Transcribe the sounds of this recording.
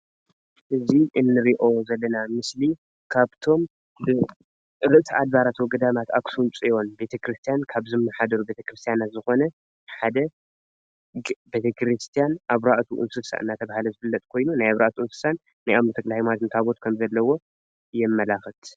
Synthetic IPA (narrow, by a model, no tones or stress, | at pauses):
ʔɨziʔɨnːɨɾiʔozɐlːɐnamɨsli | kʰaβt̪ʰo̞m | bɨ | ɾɨʔt̪ʰiad̪baɾat̪wɔɡɨd̪amat̪aksunt͡sʼijo̞nbe̞t̪ʰɐkɾɨst̪ʰijankʰaβzɨmːɐħad̪ɐɾube̞t̪ʰɐkɾɨst̪ʰijanat̪zɨxo̞nɐ | ħad̪ɐ | be̞t̪ʰɐkɾɨst̪ʰijanʔaβɾaʔt̪ʰuʔɨ̰nsɨsa̰ʔɨ̰nːat̪ʰɐβahalɐzɨfɨlːɐt̪ʼkʰo̞jnunajaβɾa̰ʔt̪ʰuɨnsɨ̥sanːajʔamnɨt̪ʰɐkʼlahjmat̪ɨnt̪ʰaβo̞t̪̚kʰɐmzɐlːɐwo̞ | jɛmːɐlaxɨt̪